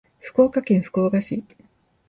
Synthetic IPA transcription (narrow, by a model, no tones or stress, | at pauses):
ɸɯ̟̥ko̞ːkakẽ̞ɰ̃ɸɯ̟̥ko̞ːɡaɕi